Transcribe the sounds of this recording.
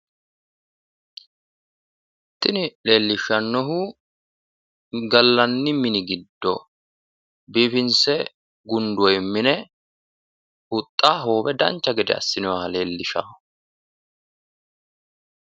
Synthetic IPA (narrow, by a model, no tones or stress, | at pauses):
t̪ːɪnɪle̞ːlːɪʃɐnːɔɦu | ɡɐlːɐnːɪmɪnɪɡɪd̪ːɔ | biːfɪnsɛ | ɡʊnd̪ɔjɪmːɪnɛ | ʊt̪ʼːaːɦo̞ːbɛd̪ɐ̰nt͡ʃːɐɡɛd̪ɛ̰ɐ̰sːɪnɔwaːle̞ːlːɪʃa̰ː